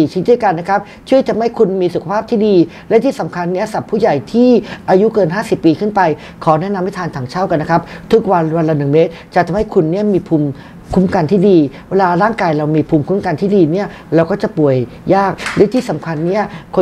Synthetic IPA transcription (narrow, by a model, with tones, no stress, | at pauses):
iː˨˩t͡ɕʰi˦˥ndu˥˩jka˧nːa˦˥kʰa˦˥p̚ | t͡ɕʰu˥˩əjt̪ʰa˧mha˥˩jkʰu˧nmiː˧su˨˩kʰa˧pʰaː˥p̚t̪ʰiː˥˩diː˧ | lɛ˦˥t̪ʰiː˥˩sa˩˦mkʰa˧nːi˦˥ɐsa˨˩pʰːuː˥˩ja˨˩jt̪ʰiː˥˩ʔaː˧ju˦˥kɤː˧nɦaː˥˩si˨˩pːiː˧kʰɯ˥˩npa˧j | kʰɔː˩˦nɛ˦˥na˧mːa˥˩t̪ʰaː˧nt̪ʰaː˩˦ŋt͡ɕʰa˥˩wka˧nːa˦˥kʰa˦˥p̚t̪ʰu˦˥k̚wa˧nwa˧la˧˥nɯ˨˩ŋmeː˦˥t̪̚t͡ɕa˨˩t̪ʰa˧mha˥˩jkʰu˧nːi˥˩əmiː˧pʰuː˧m | kʰu˦˥mka˧nt̪ʰiː˥˩diː˧weː˧laː˧ɾaː˥˩ŋkaː˧jɾa˧wmiː˧pʰuː˧mkʰu˦˥mka˧nt̪ʰiː˥˩diː˧ni˥˩ɐ | ɾɛː˧wkɔː˥˩t͡ɕa˨˩pu˨˩əj | jaː˥˩k̚lɛ˦˥t̪ʰiː˥˩sa˩˦mkʰa˧nːi˦˥˩ɐkʰo˧